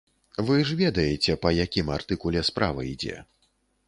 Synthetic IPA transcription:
vɨʐvʲɛd̪ɐjɛt͡sʲɛpɐjakʲimart̪ɨkulʲɛspɾʔa̰vɐ̰id͡zʲɛ̰

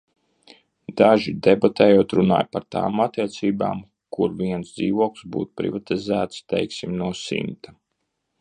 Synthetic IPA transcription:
d̪aʒid̪ebat̪ɛːjuɔːt̪ɾuna̰ːjpaɾt̪a̰ːmat̪iɛt̪siːba̰ːm | kuɾviɛnsd̪ziːvuɔklsbṵːt̪u̥pɾḭvat̪izæːt̪st̪ɛ̰jksimnuɔsḭmt̪a

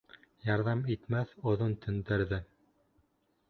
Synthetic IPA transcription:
jɑɾðɑmit̪mæθŏðont̪ʰɵ̆nd̪ɘɾðɘ

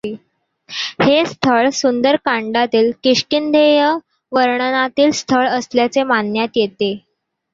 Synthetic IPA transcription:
hest̪ʰəɭsund̪əɾkaɳɖat̪iːlkiʂkind̪ʱejə | ʋəɾɳənat̪iːlst̪ʰəɭəsljat͡semanjat̪jet̪e

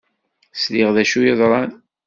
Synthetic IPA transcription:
sliʁðæʃujəðˤɾˤɑn

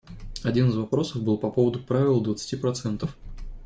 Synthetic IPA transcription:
ɐdʲinɨzvɐpɾo̞səvbɨlˠpɐpo̞vəd̪ʊpɾavʲɪlˠd̪vət̪sɨ̥tʲipɾɐt̪sɛnt̪əf

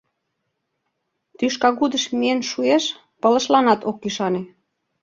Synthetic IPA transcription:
t̪yʃkɑɣud̪əʃmienʃueʃ | pə̆lə̆ʃlɑnɑt̪okːyʃɑne

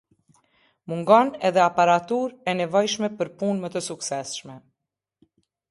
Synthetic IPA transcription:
muŋɡɔnɛðɛapaɾat̪uɾɛnɛvɔjʃmɛpəɾpunmət̪əsuksɛsʃmɛ

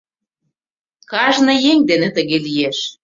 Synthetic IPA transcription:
kɑʒnɤ̆jeŋd̪enet̪əɣelijeʃ

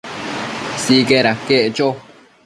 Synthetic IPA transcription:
sikeɾakeʔet͡ʃo

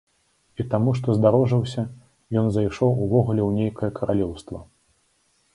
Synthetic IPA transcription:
it̪amuʂt̪ɔzd̪aɾɔʐɨwsʲɐ | jɔnzajʂɔwuvɔɣulʲɛwnʲejkɐjɐkʰɐɾalʲɛwst̪vɐ

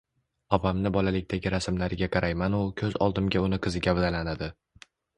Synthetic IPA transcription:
ɒpʰamnɪbɒlalɪk̚ʲt̪ʰaɡʲɪɾasɪmlaɾɪɡʲaqʰɑɾʔajmanʊkʲʰɵzɒ̰lˠd̪ɪmɡʲaʊnɪqʰɨzɪɡʲavd̪alanad̪ɪ

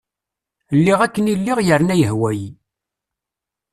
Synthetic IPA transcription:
lːiʁækːənilːiʁjəɾnæjəɦwæji

